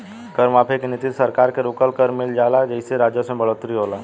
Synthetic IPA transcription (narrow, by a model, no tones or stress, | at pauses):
kəɾmaːpʰekenɪt̪ɪt̪sɐɾkaːɾkeɾʊːkəlkəɾmɪld͡ʒaːlad͡ʒɛɪseɾaːd͡ʒjəsẽbəɭoːt̪ɾiɦoːlaː